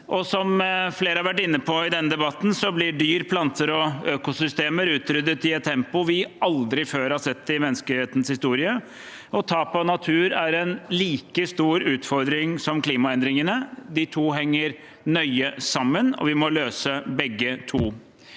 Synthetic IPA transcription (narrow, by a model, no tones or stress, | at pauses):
ʔɔsɔmfleːɾəhɑʋæʈ̬ːɪnːəpʰɔɪd̪ɛnːəd̪ɛbɑt̪n̩sɔblɪɖyːɾəpʰlɑnt̪ʰəɾɔøːkʊsʏst̪eːməɾʉːt̪ɾʏd̪ːət̪ɪɛt̪t̪ʰːɛmpʊʋɪʔɑld̪ɾɪføːɾhɑɾsɛt̪ːɪmɛnːskəheːt̪n̩shɪst̪uːɾɪə | ɔt̪ʰɑːpɑnɑt̪ʰʉːɾæɾɛnliːkəst̪uːɾʉːt̪fɔɾd̪ɾɪŋsɔmkliːmɑɛnd̪ɾɪŋənəd̪ɪt̪ʰuːɦɛŋːəɾ | nœʏəsɑmːənɔ̰ʋɪmɔløːsəbɛɡːət̪ʰuː